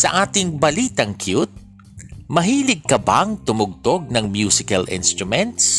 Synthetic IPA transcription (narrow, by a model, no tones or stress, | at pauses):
sɐʔaːt̪ɪŋbɐliːt̪ɐŋkʰjut̪̚ | mɐɦiːlɪɡ̚kɐba̰ŋt̪ʊmʊɡ̚t̪oɡ̚nɐŋmjusɪkɐlʔɪ̰nst̪ɾʊmɛnt̪s